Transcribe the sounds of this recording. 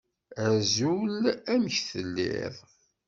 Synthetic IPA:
æɾzulæmçθəlːḭðˤ

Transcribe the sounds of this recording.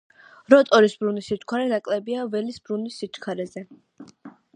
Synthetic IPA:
ɾɔt̪ʼɔɾisbɾunisit̪ʰkʰwaɾɛnakʼlɛbiavɛlisbɾunisːit̪ʰkʰaɾɛzɛ

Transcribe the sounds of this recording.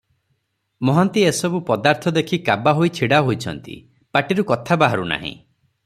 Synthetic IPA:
mɔɦɔnt̪iesɔbupɔd̪aɾt̪ʰɔd̪ekʰikabaɦojt͡ʃʰiɽaɦojt͡ʃʰɔ̰nt̪ḭ | paʈiɾukɔt̪ʰabaɦaɾṵna̰ɦḭ̃

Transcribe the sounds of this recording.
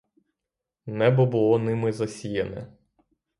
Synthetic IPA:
nɛbɔbʊlˠɔnɪmɪzɐsʲijɐnɛ̰

